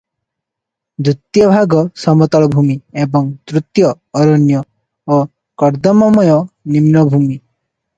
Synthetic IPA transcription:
d̪ɾut̪jɔbʱaɡɔsɔmɔt̪ɔɭɔbʱumiebɔŋd̪ɾut̪jɔː | ɾɔnjɔ | o | kɔɾd̪ɔmɔmɔjɔnimnɔbʱumi

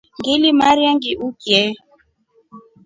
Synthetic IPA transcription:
ŋɡilimaɾjaŋɡiʔukjɛ

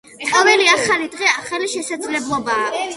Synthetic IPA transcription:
avɛliaχalid̪ʁɛaχaliʃɛsad̪zlɛblˠɔbaː

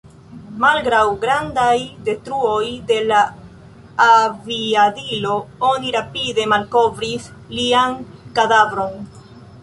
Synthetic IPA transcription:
malɡɾawɡɾandajde̞tɾuo̞jde̞laː | viadilo̞oniɾapide̞malko̞vɾis | liankadavɾo̞n

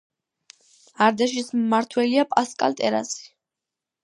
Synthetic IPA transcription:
aɾd̪aʃismaɾt̪ʰwɛliapʼaskʼa̰lt̪ʼɛɾa̰si̥

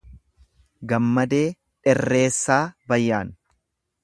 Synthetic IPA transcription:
ɡɐmːɐd̪e̞ː | ᶑɛrːe̞ːsːaːbɐjːaːn

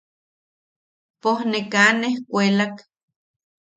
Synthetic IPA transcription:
pohnekanehkʷelak

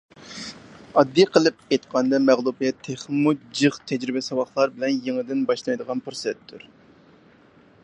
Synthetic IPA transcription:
ɑd̪ːijqʰəlˠɨp̚ejt̪qʰɑnd̪ɑmɛʁlˠupjɛt̪ʰeχmud͡ʒɨχt̪ʰɛd͡ʒɾɪbɪsɑwɑχlˠɑɾbɪlɛnjeŋɨd̪ɪnbɑʃlˠɑjd̪əʁɑnpʰɾsɛt̪ʰːuɾ

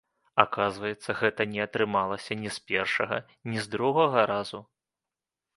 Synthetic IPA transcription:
akazvɐjɛt̪sːɐɣɛt̪ɐnʲɛɐt̪ɾɨmalˠɐsʲɐnʲɛspʲɛrʂɐɣɐ | nʲizd̪ɾuɣɐɣɐɾazu

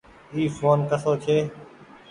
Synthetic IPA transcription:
iːfoːnkəsoːt͡ʃʰeː

